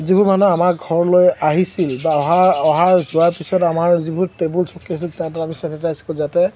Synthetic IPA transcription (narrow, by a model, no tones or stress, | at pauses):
zibʱuɹmanɔamakɡʱɔɹlojaɦisilbaɔɦaɔɦaɹzuaɹpisɔtamaɹzibʱuɹtebulsʰɔkːisiltɛʊ̃taamisɛnitajsɔ̥kɔzatɛ